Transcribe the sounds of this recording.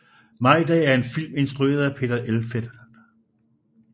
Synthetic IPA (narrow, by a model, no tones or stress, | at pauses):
mɑ̈ɪ̰d̥ɛ̰ːæɐe̝nfil̰me̝nsd̥ʁue̝̰ːɐð̞ˠæpʰe̝̰ːd̥ɐʔelfed̥